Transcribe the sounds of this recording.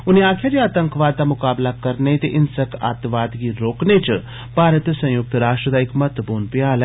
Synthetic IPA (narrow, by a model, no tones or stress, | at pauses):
ʊniaːkʰjad͡ʒeaːt̪əŋkʋaːd̪̚ːamʊkaːblakɐɾnet̪eʔɪnsəkʰa̰ːt̪ʋaːd̪ɡiɾoːknet͡ʃɨ | paːɾət̪sɐ̃jʊk̚t̪ɾaːsʃʈɾəd̪aːɪkmɐt̪əpuːnpijaːl